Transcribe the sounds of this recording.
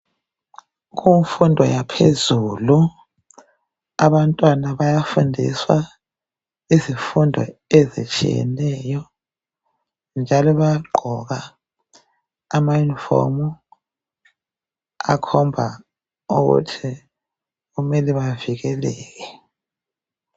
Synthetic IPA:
ɣuɱfundʱɔjapʰezuːlu | aβantʼwanaβajafundʱḭswa | izifundʱɔ̰ɛzḭt͡ʃʼḭjɛ̰nɛjɔ | nd͡ʒʱalɔβajaɡ͡ǃʱɔɣa | mainfɔ̰mu | a̰kʰɔmbʱa | ṵɣṵtʰi | ɣumɛliβaviɣɛlɛːɣɛ

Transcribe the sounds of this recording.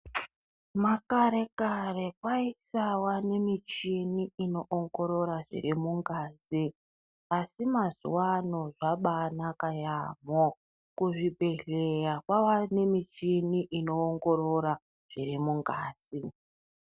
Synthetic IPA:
makaɾe̞kare̞kwaisawane̞mit͡ʃiniino̞ʔoŋɡo̞ɾo̞ɾaʐḭrimuŋɡaːzi | asimazṵwano̞ʐaɓanakaja̰mo | kuʐibʱeɮejakwawane̞mit͡ʃiniʔino̞ːŋɡo̞ɾo̞ɾa | ʐ̥irimuŋɡaːz̥i

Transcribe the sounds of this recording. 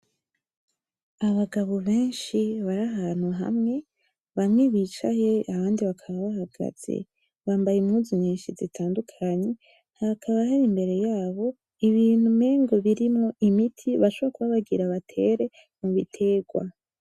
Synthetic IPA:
aβaɡaβoβeːnʃiβaɾaɦaːn̥huɦa̰mŋe̞ | βamŋeβiːt͡ʃaje̞aβaːndiβakʰaβaβaɦaɡ̥a̰z̥e̞̰ | βaːmbajimŋuziɲɲiːnʃizitʰaːndukʰaɲe̞ | hakʰaβahaɾimbe̞ɾe̞jaːβo̞ | iβiːn̥humeːŋɡo̞βiɾimŋo̞ʔimitʰiβaʃoβekuβaβaɡiɾaβatʰe̞ɾe̞ | muβitʰe̞ːɡwa̰

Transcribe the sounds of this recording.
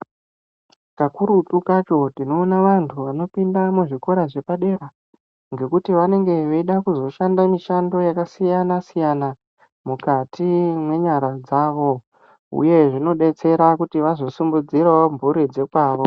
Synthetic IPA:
kakuɾutukat͡ʃo̞tino̞ːnaʋantʰuʋano̞pindamuʐiko̞ɾaʐe̞paɗe̞ɾa | ŋɡe̞kutiʋane̞ŋɡe̞ʋeiɗakuzo̞ʃandamiʃando̞jakasijanasijana | mukatʰimwe̞ɲaɾad͡zaːʋo̞ | ṵje̞ʐino̞ɗe̞t͡se̞ɾakutiʋazo̞sumbud͡ziɾaoɱvuɾid͡ze̞kwaːʋo̞

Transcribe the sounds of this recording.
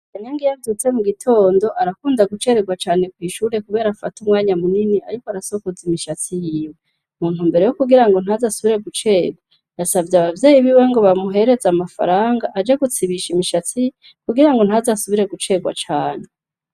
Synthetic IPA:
eneŋɡijavdut͡se̞muɡitʰo̞ːndo̞ʔaɾakuːndaɡut͡ʃe̞ɾeɡwat͡ʃaːne̞kwiːʃuːɾe̞kuβe̞ːɾafa̰tumŋaːɲamuninia̰ɾikoaɾaso̞kozimiʃat͡sijiːwee | muːnhumbe̞ɾe̞jokuɡiɾaŋɡo̞n̥hazasuβiɾe̞ɡut͡ʃe̞ːɡwa | jasavjaβavje̞ːjiβiwe̞ŋɡo̞βamuɦe̞ɾe̞zamafa̰ɾaːŋɡaʔad͡ʒeɡut͡siβiʃimiʃat͡si | kuɡiɾaŋɡo̞n̥hazasuβiɾe̞ɡut͡ʃe̞ɡwa̰t͡ʃaːn̥e

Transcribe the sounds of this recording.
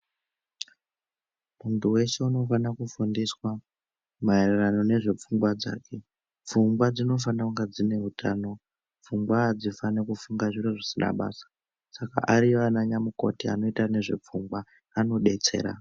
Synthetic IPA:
muntuwe̞ʃe̞uno̞fanakufundiswa | maererano̞ne̞ʐe̞p͡fuŋɡwad͡za̰ːkʰe̞ | p͡fuŋɡwad͡zino̞fanauŋɡad͡zine̞ɦutʰaːno̞ | p͡fuŋɡwaːd͡zifanekufuŋɡaʐiɾoʐisina̰ɓa̰ːsḁ | saka̰ʔaɾianaɲamuko̞̰tia̰no̞itane̞ʐe̞̰p͡fuŋɡwaː | no̞ɗe̞t͡se̞̰ːɾa̰

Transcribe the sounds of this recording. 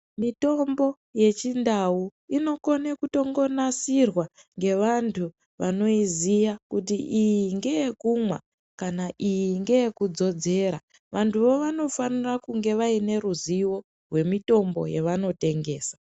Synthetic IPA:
mito̞mbo̞ | je̞t͡ʃindauino̞ko̞nekuto̞ŋɡo̞nasirwa | ŋɡe̞ʋantʰu | ʋano̞izijakutiʔijiŋɡe̞jekumwa̰ | kanaʔijiŋɡe̞jekud͡zo̞d͡ze̞ːɾa | ʋʔantʰuʋo̞ʋano̞fanirakuŋɡe̞ʋaine̞ɾuziwo̞ | rwe̞mito̞mbo̞̰jḛʋano̞te̞ŋɡe̞ːsḁ

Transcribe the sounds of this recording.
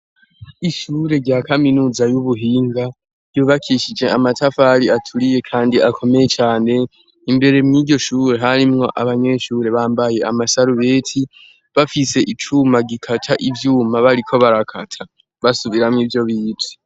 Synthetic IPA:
iʃuɾe̞ɾɟaːkaminuːzajuβuɦiːŋɡa | juːβakʰiʃid͡ʒe̞ʔamatʰafaɾiatʰuɾije̞kʰaːndiʔakʰo̞me̞je̞t͡ʃaːne̞ | imbe̞ɾe̞mŋiːɟo̞ʃuːɾe̞ɦaɾimŋo̞ʔaβaɲe̞ʃuːɾe̞βaːmbaje̞amasaɾuβe̞ːtʰi | βafise̞ʔit͡ʃumaɡikʰatʰaʔivjuːmaβaɾikʰo̞βaɾakʰatʰa | βasuβiɾamŋiːvjo̞βiːti̥

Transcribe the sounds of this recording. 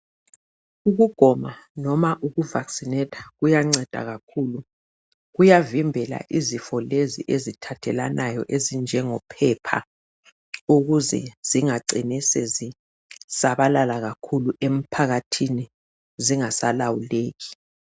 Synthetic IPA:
uɣuɡ̥ʱɔmanɔmaʔuɣuvaksinɛtʰḁɣujaŋ͡ǀɛd̥ʱa̰ɣakʰuːlu | ɣujavimbʱɛla̰ʔizifɔlezḭʔezitʰatʰɛlanʔajɔʔezind͡ʒʱɛŋɔpʰɛpʰa̰ | uɣuzɛ̰z̥iŋaǀinisɛzi | saβalalaɣakʰuluʔem̩pʰaɣatʰini | ziŋasalawuleːɣi̥

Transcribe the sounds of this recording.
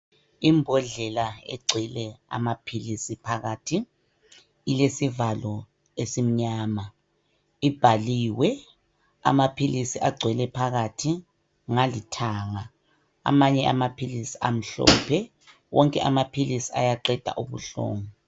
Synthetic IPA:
imbʱɔɮɛlaɛ̰ɡ͡ǀʱɛlɛa̰mapʰilisipʰaɣaːtʰi | ilesivalɔ | esim̩ɲaːma | ib̥ʱaliːwɛ | a̰mapʰilisiʔaɡ͡ǀʱwɛlɛpʰaɣatʰi | ŋalitʰaːŋa | a̰maɲɛʔamapʰilisi̥ʔam̩ɬɔ̰ːpʰɛ | wʔɔŋkʼɛʔamapʰilisiajaǀɛd̥ʱa̰ʔuβṵɬɔ̰ːŋɔ

